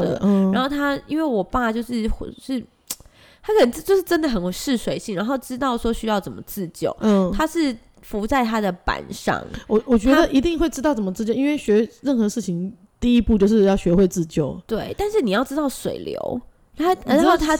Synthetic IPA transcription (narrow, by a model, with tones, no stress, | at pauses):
ɻa˧nxo˥˩ʊt̪ʰa˥i˥nwe˥˩ɪwɔ˨˩pa˥˧t͡ɕjo˥˧ʊʂɻ̩˥˩xʂɻ̩˥˩ | t̪ʰa˥kʰə˨˩n˩˥t͡ɕjo˥˧ʊʂɻ̩˥˧ʈ͡ʂə˦˥nd̪ə˨xə˧˥n˨˩ʂɻ̩˥˩swe˨˩ɪɕi˥˩ŋɻa˧˥nxo˥˩ʊʈ͡ʂɻ̩˥t̪ɑ˥˩ʊʂwɔ˥ɕy˥jɑ˥˩ʊt͡sə˨˩mə˦t͡sɹ̩˥˧t͡ɕjo̰˥˩ʊ˥˩t̪ʰa˥ʂɻ̩˥˩ | fu˧˥t͡sa˥˩ɪt̪ʰa˥d̪ə˨pa̰˨˩˦nʂɑ̰˥˩ŋwɔ˨˩wɔ˨˩t͡ɕɥɛ˧˥d̪ə˧˨ʔi˧˥t̪i˥˧ŋxwe˥˩ɪʈ͡ʂɻ̩˥ɑ˥˩ʊt͡sə˩mə˦t͡sɻ̩˥t͡ɕjɔ˥˧ʊi˥we˥˩ɪɕɥɛ˧˥ɻə˥˩nxɤ˧˦ʂɻ̩˥˩t͡ɕʰi˧˥ŋ | t̪i˥˩i˦˥pu˥˧t͡ɕjo˥˧ʊʂɻ̩˥˧jɑ˥˩ʊɕɥɛ˧˥xwe˥˧ɪt͡sɹ̩˥˧t͡ɕjo˥˩ʊt̪we˥˩ɪt̪a˥˧nʂɻ̩˥˩ni˨jɑ˥˩ʊʈ͡ʂɻ̩˥t̪ɑ˥˩ʊʂwḛ˨˩ɪljo̰˧˥ʊ | a˥˧˥o˥˩t̪ʰa˥